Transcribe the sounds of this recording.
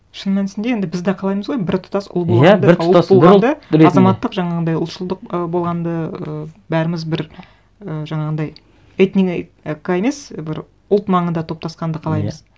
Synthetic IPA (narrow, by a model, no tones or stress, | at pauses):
ʃənmænɪsɪnd̪ejend̪ɪbɪzd̪ɑqʰɑlˠɑjməzʁojbɪɾt̪ʰʊ̥t̪ɑsʊ̰lˠboʁæɑd̪bolʁɑnd̪əɑzɑmɑt̪ːəqʒɑɴɑʁənd̪ɑjʊlt̪ʃəlˠd̪əq̚əbo̞lˠʁɑnd̪əəbæɾɪmɪzbɪɾ | əʒɑɴɑʁənd̪ɑj | et̪nikekːae̞me̞sbɪɾ | ʊlˠt̪mɑɴənd̪ɑt̪ʰo̞p̚t̪ɑsqɑnd̪əqʰɑlˠɑjməz̥